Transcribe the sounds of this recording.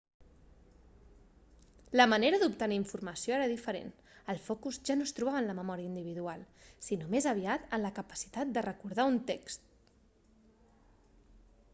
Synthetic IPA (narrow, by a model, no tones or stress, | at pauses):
ləməneɾəðupt̪əniiɱfuɾməsioeɾəðifəɾḛn | əlˠfɔkuzʒanost̪ɾuβaβənləməmɔɾiəind̪iβ̞iðualˠsinomezəβ̞iat̪ənləkəpə̥si̥t̪at̪̚d̪ərəkuɾð̞aunt̪ekst̪